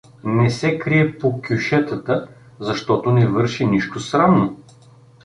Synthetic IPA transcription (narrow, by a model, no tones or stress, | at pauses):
nɛsɛkɾiɛpokʲuʃɛt̪ət̪ə | zɐʃt̪ɔt̪onɛvɤɾʃiniʃt̪osɾamno